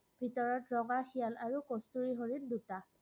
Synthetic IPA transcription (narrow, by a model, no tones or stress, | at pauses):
bʱitɔɹɔtɹɔŋaxijalaɹukostuɹiɦoɹinduta